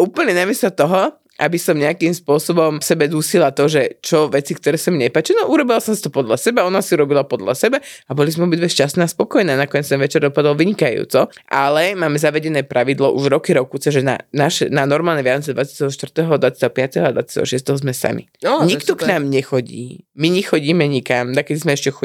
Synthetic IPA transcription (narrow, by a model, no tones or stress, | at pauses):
ʔuːpl̩ɲɛnamisɔt̪ɔɦɔ | ʔabisɔmɲɛakimspʊɔsɔbɔmsɛbɛd̪usilat̪ɔʒɛt͡ʃɔʋɛt͡sikt̪ɔɾɛːsamiɲɛpaːt͡ʃinɔʔuɾɔbilasɔmsi̥t̪ɔpɔd̪ʎasɛbaɔnasiuɾɔbilapɔd̪la̰sɛbaabɔlizmɛɔbid̪ʋɛʃcastnɛːaspɔkɔjnɛːnakɔɲɛt͡st̪ɛ̃nʋɛt͡ʃɛɾd̪ɔpad̪ɔlʋiɲikajṵːt͡sɔʔalɛmaːmɛzaʋɛɟɛnɛːpɾaʋid̪lɔʔuʒɾɔkiɾɔkut͡sɛʒɛna̰naʃɛnanɔɾmaːlɲɛʋjant͡sɛd̪ʋat͡sjat̪ɛɦɔʃt̪vr̩t̪ɛːɦɔd̪ʋat͡sjat̪ɛɦɔpɪat̪ɛɦɔad̪ʋa̰t͡sjat̪ɛ̰ɦɔʃɪɛst̪ɛɦɔzmɛsa̰mḭɲikt̪ɔknaːmɲɛxɔɟḭːmiɲixɔɟiːmɛɲikamd̪akɛd̪izmɛɛʃcɛxɔ